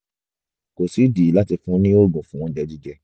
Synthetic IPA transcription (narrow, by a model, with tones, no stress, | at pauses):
ko˨si˨˦di˨˦la˦ti˧fũ˦nĩ˦o˦˨ɡũ˨fũ˦ɔ̃˦d͡ʒɛ˧˦d͡ʒi˦d͡ʒɛ˧